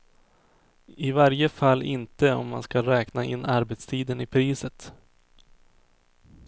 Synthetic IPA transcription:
ɪvaɾjəfalːɪ̰nt̪əɔ̰mːa̰nskaɾɛːknaʔɪ̰nːaɾbɛt̪st̪ʰiːd̪ənɪpʰɾiːsət̪

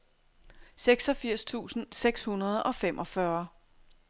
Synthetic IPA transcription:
seɡ̥sɒ̽fiɐ̰st͡sʰṵːsn̩seɡ̥shunɐð̞ˠɒ̽fem̰ʔɒ̽fɶɐ

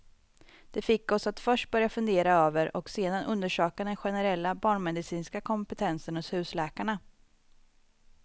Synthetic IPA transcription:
d̪̥ɛfɪkːɔsat̪fœʂʈ̚bœɾjafɵnd̪eːɾaøːvəɾʔɔ̰kseːd̪anʔɵnd̪əʂøːkad̪ɛnɧɛnɛɾɛlːabɑːɳmɛd̪ɪsiːnskakʰɔmpɛt̪ʰɛnsənhɔshʉ̟ːslɛːkaɳa

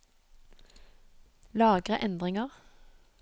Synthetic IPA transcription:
lɑːɡʁəʔɛnd̪ʁɪŋəʁ

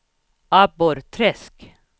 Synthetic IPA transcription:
ɑbɔɾt̪ʰɾɛsk

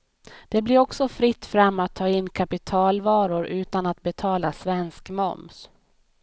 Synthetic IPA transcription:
d̪̥ɛblɪɾɔksɔfɾɪt̪ːfɾamːat̪ʰːɑːɪnːkʰapɪt̪ʰɑːlvɑːɾʊɾʉ̟ːt̪anat̪̚bɛt̪ʰɑːlasvɛnskmɔ̰ms

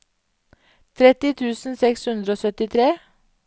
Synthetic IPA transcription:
t̪ʰɾɛt̪ɪt̪ʰʉːsn̩sɛkshʉnd̪ɾəoːsœt̪ɪt̪ʰɾeː

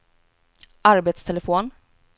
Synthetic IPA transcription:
ʔaɾbeːt̪st̪ʰɛlɛfoːn

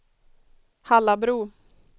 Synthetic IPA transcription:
halːabɾuː

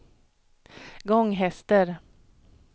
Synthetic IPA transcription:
ɡɔŋːɦɛst̪əɾ

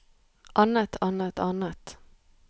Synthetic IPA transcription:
ʔɑnət̪ʰɑnət̪ʰɑnət̪

